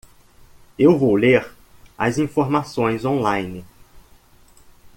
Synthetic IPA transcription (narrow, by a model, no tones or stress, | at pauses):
ewvowleɾ | ɐ̰zĩfoɾmasõj̃zõlãjnɪ